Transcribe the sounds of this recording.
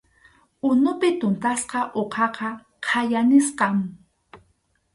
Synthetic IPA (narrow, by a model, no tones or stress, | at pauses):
ʊnʊpɪt̪ʊnt̪asqɑʔoqʰɑqɑ | qʰajanɪsqɑŋ